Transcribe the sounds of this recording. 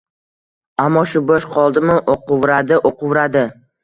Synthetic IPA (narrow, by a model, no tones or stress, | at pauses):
amːɒʃʊboʃqʰɒlˠd̪ɪmɪʔoqʊwɾad̪ɪʔoqʊwɾad̪ɪ